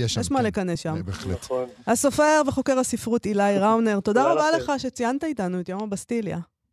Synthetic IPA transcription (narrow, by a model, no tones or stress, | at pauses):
jeeʃmale̞kanesʃambeχlehaso̞fe̞ʁveχo̞ke̞ʁasifʁut̪ilajʁawne̞ʁt̪o̞d̪aʁabale̞χaʃet͡siant̪ait̪anuet̪jo̞mabast̪ilja̰